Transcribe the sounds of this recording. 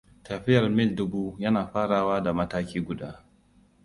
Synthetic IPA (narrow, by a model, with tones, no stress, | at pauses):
tɐ˨ɸɪ˦jɐ˨rmɪ˦ldʊ˦buː˦jɐ˦naː˨ɸaː˦ɽaː˦waː˦da˨mɐ˦taː˦kʲiː˦ɡʷʊ˨daː˦